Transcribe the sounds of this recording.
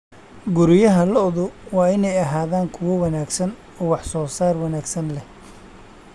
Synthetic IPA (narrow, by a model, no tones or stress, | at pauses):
ɡʊɾɪjɐɦɐlɔðʊwɑːɪnɛjɐɦaːðaːŋkʰʊwɔwɑnaːɡsɐn | ɔːwɑħsɔːsaːrwɑnaːɡsɐnlɛh